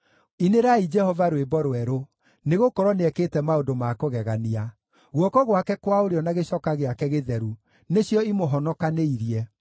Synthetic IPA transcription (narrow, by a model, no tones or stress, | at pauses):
ineɾaid͡ʒɛhɔvaɾwebɔɾwɛɾo | neɣokɔɾɔneɛketɛmaodomakoɣɛɣania | ɣwɔkɔɣwakɛkwaoɾeɔnaɣeɕɔkaɣeakɛɣeðɛɾu | neɕjɔimoɦɔnɔkaneiɾiɛ